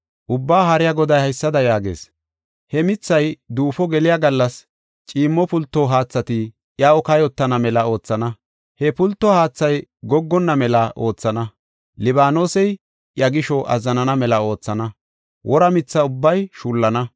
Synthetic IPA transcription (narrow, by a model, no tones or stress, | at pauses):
ʔʊbːaːɦɐɾɪjaɡɔd̪ɐjhɐjsːɐd̪ɐjaːɡḛːs | hɛmɪt͡sːɐjd̪uːfɔɡɛlɪjaɡɐlːɐs | t͡ʃʼiːmːɔpʊlt̪ːoɦaːt͡sːɐt̪ɪ | jaɔkɐjɔt̪ːɐnɐmɛlɐo̞ːt͡sːɐnɐ | hɛpʊlt̪ːɔhaːt͡sːɐjɡɔɡːɔnːɐmɛlɐʔo̞ːt͡sːɐnɐ | lɪbaːnoːsɛj | jɐɡɪʃɔʔɐ̰zːɐnɐnɐmɛlɐo̞ːt͡sːɐnɐ | wʔɔɾɐmɪt͡sːɐʊbːɐjʃuːlːɐnɐ